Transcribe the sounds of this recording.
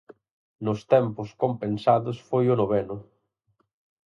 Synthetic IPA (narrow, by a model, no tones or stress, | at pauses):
nʊst̪ɛmpʊskompensaðʊsfojʊnoβɛnʊ